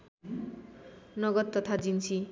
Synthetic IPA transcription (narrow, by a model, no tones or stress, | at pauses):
nʌɡʌt̪ːʌt̪ʰad͡zint͡sʰi